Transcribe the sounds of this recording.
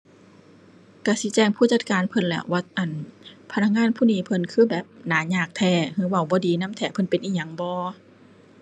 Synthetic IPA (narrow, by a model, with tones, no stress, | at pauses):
ka˧˩si˧˦t͡ɕɛː˧˩ŋpʰuː˧˥˨t͡ɕa˧˦t̪̚kaː˨npʰɤ˧˨nlɛ̰˧˩wa˧˦t̪̚ʔa˧˨˩npʰa˧na˧k̚ŋaː˧˥˨npʰuː˧˥˨niː˧˨pʰɤ˧˨nkʰɯː˧˥˨bɛː˨˩p̚naː˨˦ɲaː˧˩k̚t̪ʰɛː˧˩hɯː˧˥˨wa˧˩˨wbɔː˧˦diː˨˦na˧˥˨mt̪ʰɛː˧˩pʰɤ˧˥˨npe˨nʔiː˧ɲa˧˦ŋbɔː˧˦